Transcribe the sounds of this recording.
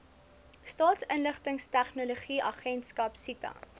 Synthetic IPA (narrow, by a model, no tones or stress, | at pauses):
stɑːtsənləχtəŋstæχnoloχiʔɐχɛntskɐpsitɐ̰